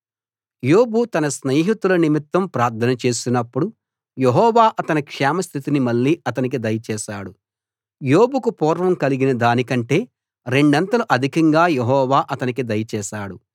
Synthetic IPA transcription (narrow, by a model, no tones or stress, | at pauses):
jo̞ːbut̪ɐnɐsneːɦit̪ulɐnimit̪ːɐmpɾaːɾt̪ʰɐnɐt͡ʃe̞ːsinɐpːuɽu | jeɦɔːʋaːʔɐt̪ɐnikʂaːmɐst̪ʰit̪inimɐlːiːʔɐt̪ɐnik̬id̪ɐjɐt͡ʃɛːʃaːɽu | jo̞ːbukupɔːɾʋɐmkɐliɡinɐd̪aːnikɐɳʈe̞ː | ɾe̞ɳɖɐnt̪ɐluʔɐd̪ʱikɐŋɡaːjeɦɔːʋaːʔɐt̪ɐnikid̪ɐjɐt͡ʃɛːʃaːɽu